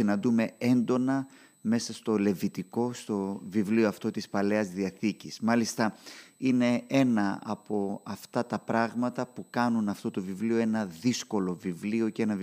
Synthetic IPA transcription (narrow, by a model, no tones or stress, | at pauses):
inɐnd̪ume̞e̞nd̪o̞nɐ | me̞sɐst̪o̞le̞vit̪iko̞st̪o̞vivlioɐft̪o̞t̪ispɐle̞ɐzðiɐθicismɐlist̪ɐine̞e̞nɐɐ̰po̞ɐft̪ɐt̪ɐpɾɐɣmɐt̪ɐpukɐnunɐft̪o̞t̪o̞vivlio̞e̞nɐðisko̞lo̞vivlio̞cee̞nɐv